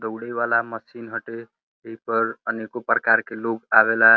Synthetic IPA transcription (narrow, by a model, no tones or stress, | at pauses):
d̪əwɽebalaməsinɦəʈe | ɦipəɾənekopɾəkaɾkeloɡaβela